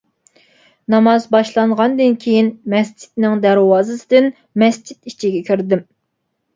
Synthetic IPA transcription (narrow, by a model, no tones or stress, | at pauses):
nɑmɑzbɑʃlˠɑɴʁɑnd̪ɨnkʲʰejinmɛsd͡ʒʰi̥t̪̚nɪŋd̪æɾwɑːzɨsɨd̪ɪn | mɛsd͡ʒit̪it͡ʃʰiɡʲɛkʲʰyɾd̪ɪm